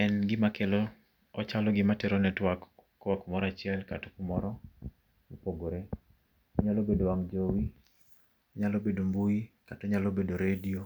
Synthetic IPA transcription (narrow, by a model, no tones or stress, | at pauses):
ɛnɡɪmakelɔ | ɔt͡ʃalɔɡɪmatɛɾɔnɛtwakː | wakumɔɾat͡ʃɪɛlkato̥kumɔɾɔ | mɔpoɡoɾe | ɔɲalobedowaŋd͡ʒowi | ɲalobedombuikatɔɲalobedoɾedio